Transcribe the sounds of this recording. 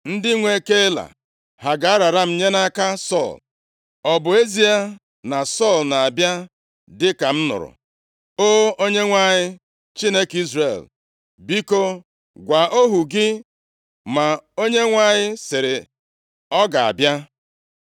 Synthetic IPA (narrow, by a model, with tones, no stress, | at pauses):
n̩˦dɪ˦ŋʷe˦ke˦la̰˨ | ɦa˨ɡa˨a˦ɾa˨ɾa˦m̩˨ɲe˦na˦ka˦sɔ̰˦˨l | ɔ˨bʊ˨e˦zi˦a˦ | na˨sɔ˦˨lna˨a˨bja˦ | dɪ˦ka˨m̩˦nʊ̰˨ɾʊ̰˨ | o˦o˦ɲe˦ŋʷa˦ɲɪ˦ | t͡ʃi˦ne˦ki˦zrḛ˨l | bi˦ko˦ | ɡʷa˨o˦ɦu˨ɡɪ˦ | ma˨o˦ɲe˦ŋʷa˨ɲɪ˦sɪ˨ɾɪ˨ | ɔ˦ɡa˨a̰˨bja˦